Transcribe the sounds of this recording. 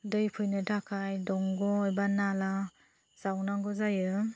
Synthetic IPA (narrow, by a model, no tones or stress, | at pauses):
dɯjpʰujnɯtʰakʰajdɔŋɡɔːjbanala | z̥awnaŋɡɔzajɯ